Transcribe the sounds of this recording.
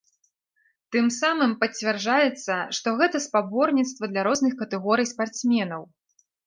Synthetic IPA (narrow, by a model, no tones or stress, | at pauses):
t̪ɨmsamɨmpɐt͡sʲvʲɛrd͡ʐajɛt̪sːɐʂt̪ɔɣɛt̪ɐspabɔrnʲit̪st̪vɐd̪lʲɐɾɔznɨxkɐt̪ɛɣɔɾɨjspart̪smʲɛnɐw